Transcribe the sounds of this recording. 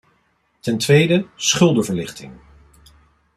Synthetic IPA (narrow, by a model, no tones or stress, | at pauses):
tɛntʋejdəsχʏlˠdəvəɹlɪχtɪ̰ŋ